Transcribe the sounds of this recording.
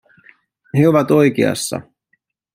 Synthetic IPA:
he̞o̞ʋɑt̪o̞jk̟ḛɑ̰sːɑ̰

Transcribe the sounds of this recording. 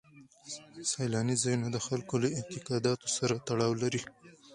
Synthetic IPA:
sɑjlɑnizɑjunad̪əxalkolaɪnt̪ɪqɑd̪ɑt̪o̥saɾat̪aɽɑwlaɾi

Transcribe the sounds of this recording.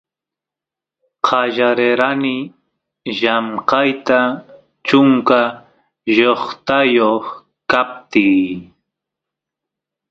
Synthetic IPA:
qʰɑʒaɾeɾanɪ | ʒamqɑjt̪a | t͡ʃʊŋka | ʒoχt̪ajoχ | kap̚t̪iː

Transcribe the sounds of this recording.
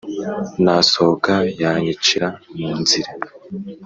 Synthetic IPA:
nasokajaːɲit͡ʃiɾamuːnziɾa

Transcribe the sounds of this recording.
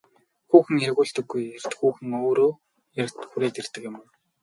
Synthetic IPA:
xuːxɘ̆ŋjaɾɣʊːɮt̪ɘ̆ɡːujer̥t̪xuːxɘ̆ŋoːɾoː | jart̪xuɾeːt̪er̥t̪ɘ̆kjɪ̆mː

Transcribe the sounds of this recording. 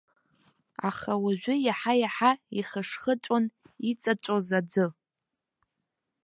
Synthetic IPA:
a̰χawaʒᶣʷʊjaħajaħaiχəʂχət͡ʃʷʼon | it͡sʼat͡ʃʷʼozad͡zɨ

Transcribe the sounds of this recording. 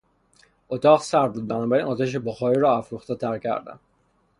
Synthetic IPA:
ʔot̪ʰɒːʁsæɾb̪uːd̪̚bænɒːbæɾinɒːt̪ʰæʃ̬eboxɒːɾiɾɒːæfɾuːxt̪et̪ʰæɾcʰæ̰ɾd̪æ̰n

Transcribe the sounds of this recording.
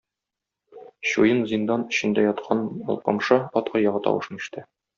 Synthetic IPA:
ɕujɤnzind̪ɑnɘ̆ɕɘ̆nd̪æjɒt̪qʰɑnɒ̰lˠqɤ̰mʃɤɒt̪qɑjɒʁɤt̪ɒ̰wɤ̰̆ʃɤniʃt̪ɘ

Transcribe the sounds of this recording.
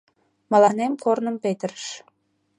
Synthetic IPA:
mɑlɑnemkornə̆mpet̪ərəʃ

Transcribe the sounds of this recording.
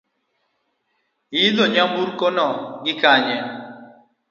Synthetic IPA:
iðoɲamuɾkonɔɡɪkaɲɛ

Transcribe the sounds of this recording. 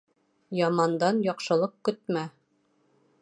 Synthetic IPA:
jɒmɑnd̪ɑnjɒqʃɤ̆lˠɤq̚kɵ̆t̪mæ

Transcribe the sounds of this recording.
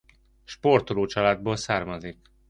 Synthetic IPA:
ʃport̪oloːt͡ʃɒlaːd̪̚boːlsaːrmɒzik

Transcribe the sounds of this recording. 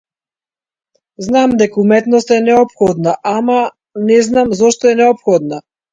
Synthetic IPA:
znamd̪ɛkaumɛt̪nɔst̪aɛnɛɔpxɔd̪naʔama | nɛznamzɔʃt̪ɔɛnɛɔpxɔd̪na

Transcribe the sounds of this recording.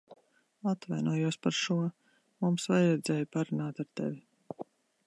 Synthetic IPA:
at̪vajnuɔjuɔspaɾʃuɔ | mumsvajɾɛd̪zɛːjpaɾunaːt̪aɾt̪ḛvi

